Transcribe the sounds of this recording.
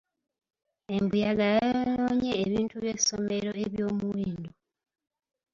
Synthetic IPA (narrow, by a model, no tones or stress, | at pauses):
embujaɡajannoɲeːβiːntuβjesome̞ɾo̞eβjo̞ːmuwiːndo